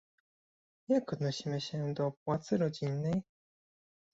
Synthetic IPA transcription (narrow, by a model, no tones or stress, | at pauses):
jakɔd̪nɔɕimɘɕɛd̪ɔpwat̪sɘɾɔd͡ʑinːɛj